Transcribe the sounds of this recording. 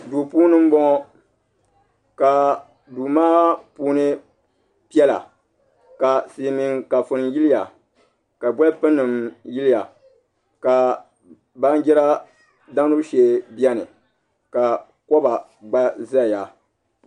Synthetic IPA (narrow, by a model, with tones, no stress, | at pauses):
du˨puː˦nɨ˦m̩˦bɔ˦ŋɔ˦ | ka˨ | duː˨maː˦puː˦nɨ˦ | pi˦ɛ˦la̰˨ | ka˨seː˨mi˨ŋka˨fʊ˨n˨ji˦lɪ˦ja˨ | ka˨bwɛ˦pɨ˦nːɨ˨mji˦lɪ˦ja˨ | ka˨ | ba˦n˦d͡ʒɛ˦ɾa˦ | da˦ŋ˦nu˦ʃeː˨bi˦ɛ˦nɨ˨ | ka˨ | kɔ˦ba˨ | ɡ͡ba˦za˦˨ja˨